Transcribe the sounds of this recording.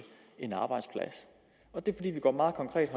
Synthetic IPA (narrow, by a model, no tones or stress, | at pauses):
e̝nɑ̈ːb̥ɑ̈ɪd̥spʰlæ̰s | ɒ̽d̥e̝fɒd̥ḭːʋiɡ̥ɒ̰ːmɑ̈ːð̩ˠkʰɒ̽ŋkʰʁɛ̰ːd̥ɦɒ̽